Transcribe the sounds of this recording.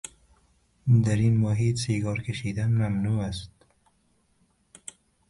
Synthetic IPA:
d̪æɾiːnmoɦiːt̪seːɡɒːɾkʰeʃiːd̪ænmæmnuːæst̪̚

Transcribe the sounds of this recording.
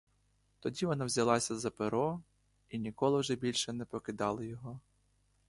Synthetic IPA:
t̪ɔdʲiʋɔnɑwzʲɐlˠɑsʲɐzɐpɪɾɔ | inʲikɔlˠɪwʒɛbʲilʲʃɛnɛpɔkɪd̪ɑlˠɪjɔɦɔ

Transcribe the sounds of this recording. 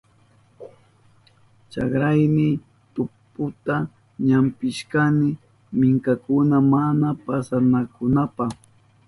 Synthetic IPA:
t͡ʃa̰kɾajnɪ | t̪ʊpʊt̪a | ɲampɪʃkanɪ | mɪŋkakʊnamanapasanakʊnapaχ

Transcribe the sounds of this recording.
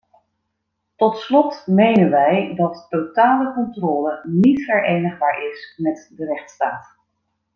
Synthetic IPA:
tɔtslɔtmejnənʋɛjdɑtːotaːləkɔntrɔːlənitfəɹʔejnəχbaːɹʔɪsmɛtdərɛχtstaːt

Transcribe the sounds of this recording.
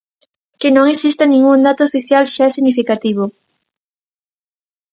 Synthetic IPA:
kenõŋesist̪anĩŋɡuŋd̪at̪oːfiθjalʃaɛsiɣnifikat̪iβ̞o

